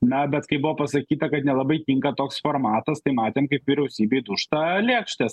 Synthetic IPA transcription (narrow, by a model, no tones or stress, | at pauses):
nɐbʲɛt̪kɐɪbʊʋoːpɐsɐkʲiːt̪ɐkɐt̪nʲɛlˠɐbɐɪkʲiŋkɐt̪oːksfoːɾmɑːt̪ɐst̪ɐɪmɑːt̪ʲeːmkɐɪpʋʲiːɾʲɛʊsʲiːbʲeɪd̪ʊʃtt̪ɐlʲeːkʃʲt̪ʲɛs